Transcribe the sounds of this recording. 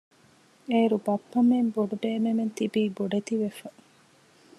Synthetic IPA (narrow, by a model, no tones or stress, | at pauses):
eːɾubɐpːɐmemboɖuɖeːmement̪ibiːboɖet̪iʋefɐ